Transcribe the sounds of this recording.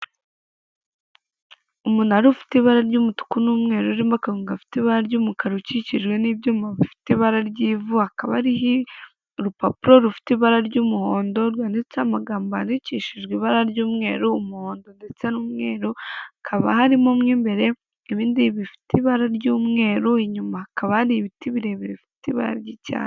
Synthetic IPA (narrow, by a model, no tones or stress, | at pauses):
umunaɾufi̥teiβaɾaɾɟuːmutu̥kunuːmŋe̞ːɾuɾiːmbakaɾuːŋɡafi̥tiβaɾaɾɟuːmukaɾuciciʒɡwe̞nibjoːmaβifi̥tiβaɾaɾɟiːvuakaβa̰ɾiɦi | ɾupapuɾo̞ɾufi̥tiβaɾaɾɟuːmuhoːndo̞ɾwaːnit͡samaɡaːmbaniciʃiʒɡiːβaɾaɾɟuːmŋe̞ːɾuːmuhoːndo̞ndet͡se̞nuːmŋe̞ːɾuakʰaβa̰haɾimo̞mŋiːmbe̞ɾe̞ | eβiːndiβifi̥tiβaɾaɾɟuːmŋe̞ːɾuiɲumahakaβahaɾihβitiβiɾe̞βiɾifitiβa̰ɾa̰ɾɟica̰ːn